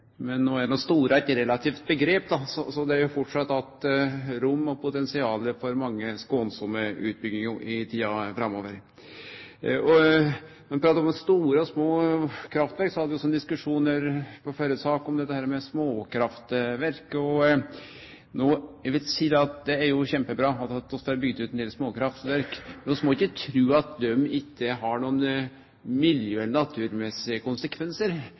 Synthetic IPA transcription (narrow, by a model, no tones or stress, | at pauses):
mɛnːoːæɖnoːst̪uːɾæɛt̪ɾɛlɑt̪ʰiːft̪̚bəɡɾeːp̚d̪ɑsɔsɔd̪ɛæɾjʊfɔʈʂɑt̪ːɑt̪ɾʊmːɔpʰʊt̪ɛnsɪɑːləfɔɾmɑŋːəskonsʊmːəʉ̰ːt̪̚bʏɡnɪŋɪt̪ʰiːɑfɾɑmːoːʋəɾ | ɔnɔmɪpʰɾɑːt̪ːɑɾɔmst̪uːɾəɔsmoːkʰɾɑft̪ʋæɾksɔhɑd̪ʋɪɔsɔɛnd̪ɪskʉʂuːnəɾpʰɔfɔɾəsɑːkɔmd̪ɛt̪ːəhæːɾmɛsmoːkʰɾɑft̪ʋæɾkɔ | noːʋɪlsiːd̪ɛɑt̪̚d̪ɛæɾjʊçɛmpəbɾɑːɑt̪ɑt̪ːɔst̪æɾbʏɡd̪ʉːt̪ɛnɪːlsmoːkʰɾɑft̪ʋæɾkmɛnɔsmɔɪkːət̪ʰɾʉːɑt̪̚d̪œmːɪkːəɦɑɳuːn | mɪljøːɛlːəɳɑt̪ʰʉːɾmɛsɪəkʊnsəkʰʋɛnsəɾ